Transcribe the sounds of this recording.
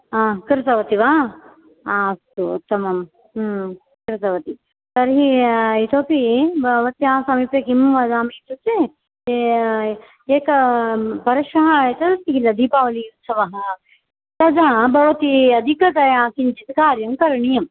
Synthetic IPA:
ãːkɾɪt̪ɐʋɐt̪iʋaː | aːst̪ṵːt̪ːɐmɐm | kɾɪt̪ɐʋɐt̪i | t̪ɐɾɦiit̪ʰoːpibɐʋɐt̪jãːsɐmiːpjɐkimʋɐd͡ʒaːmiit̪ut͡se | eːkɐpɐɾɐʃɐɦɐet̪ɐd̪ɐst̪ikilɐd̪iːpaːʋɐliut̪sɐʋɐɦɐ | t̪ɐd͡ʒaːbʱɐʋɐt̪iɐd̪ʱikɾɐt̪ɐjãːkind͡ʒit̪kaːɾjɐmkɐɾɐɳijɐm

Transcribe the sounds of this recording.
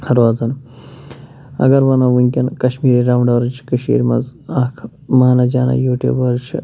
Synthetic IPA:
ɐɾaːzɐn | ɐ̰ɡɐɾʋɐnɐʋuŋkʲɐnkɐʃmiːɾiɾaːmɳɖɐɾt͡ʃʰkɐʃḭːɾmɐnzaːkʰ | maːnɐd͡ʒaːnɐ̰joːʈḛːbɐɾt͡ʃʰi

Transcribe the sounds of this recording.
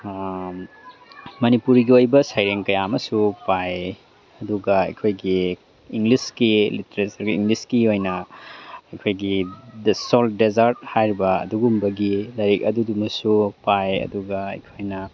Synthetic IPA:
mɐnipuɾɡiojbɐsajɾeŋkɐjamɐsupaj | ɐduɡɐɐ̰jkʰojɡi | iŋɡliskiliteɾesɐɾɡiːŋɡliskiojnɐ | ɐjkʰojɡidsoldezɐɾt̚hajɾibɐɐ̰duɡumbɐɡilɐɾik̚ɐdudumɐsupajɐ̰duɡɐɐ̰jkʰojnɐ

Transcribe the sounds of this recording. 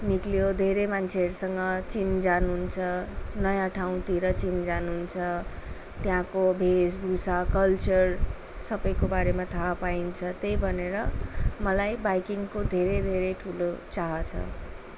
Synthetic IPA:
niklijod̪ʱeɾemant͡sʰeʌɾusʌŋɡʌt͡sind͡zanuɦunt͡sʰʌnʌjãʈʰaw̃t̪iɾʌt͡sind͡zanuɦnt͡sʰʌ | t̪jãkobʱesbʱusakʌlt͡sʌr | sʌbʌjkobaɾemat̪ʰapaint͡sʰʌt̪ejbʱʌneɾʌmʌlajbajkiŋkod̪ʱeɾed̪ʱeɾeʈʰulot͡saɦʌt͡sʰʌ̰

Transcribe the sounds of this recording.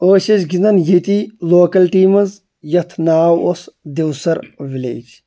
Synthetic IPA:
oːʃɐt͡ʃɡind̪ɐnjit̪iloːkɐlʈiːmɐz | jɐt̪ʰnaːwosd̪ewsɐɾʋilḛːd͡ʒ

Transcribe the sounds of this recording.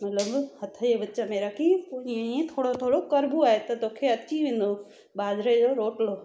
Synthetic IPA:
mɐt̪ləbhɐt̪ʰəebətːt͡ɕãmeːɾakʰipoiẽiẽt̪ʰoːɽot̪ʰoːɽokɐɾbuaːɦet̪ɐt̪oːkʰeɐiʋẽn̆d̪o | baːzʱɾed͡ʑoɾoːʈloː

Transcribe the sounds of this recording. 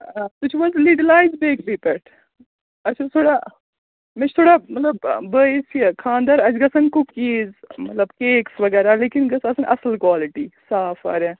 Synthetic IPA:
at̪ut͡ʃʰʋɐzliɖɐlaːjzbeːkbipeʈ | ɐt͡ʃʰɐt̪ʰoːɽa | mɐt͡ʃʰt̪ʰoɽamɐt̪lɐbbəːisekʰãːnd̪ɐɾɐd͡ʒɡɐsɐnkukːiːzmɐt̪lɐbkeːksʋɐɡɐɾaleːkinɡɐsɐsɐnʔɐsɐlkwaːliʈisaːfa̰ːɾẽ

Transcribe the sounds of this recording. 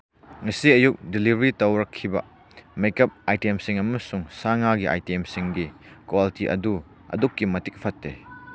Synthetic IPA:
ŋɐsiɐjuk̚dilibɐɾitɐwɾɐkʰːibɐ̰ | mejkɐp̚ajtemsiŋɐmɐsuŋsaŋaɡiʔa̰jtemsiŋɡikwalitiʔɐ̰du | ɐ̰dukːimɐtik̚pʰɐtːḛ

